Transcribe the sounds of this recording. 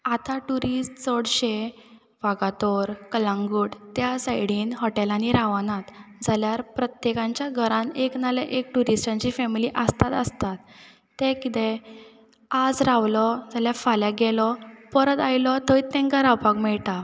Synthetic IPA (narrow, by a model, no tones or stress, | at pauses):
at̪aʈuɾisʈt͡sɔɽɕe | ʋaɡat̪oɾkəlãŋɡuːɽt̪jasajɽ̤iːnɦɔʈelaniɾaʋanat̪d͡zʱaljaɾpɾət̪jekãɲt͡ɕjaɡʱəɾãneknaləʔek̚ʈuɾisʈãɲt͡ɕifɛmiliʔəst̪at̪əst̪at̪ː | ɛ̃kit̪ɛ̃ | ad͡zɾaʋlɔd͡zaljafaljaɡɛlɔpəɾət̪ajlɔt̪əit̪ɛ̃ŋkaɾawpaɡmɛɭt̪a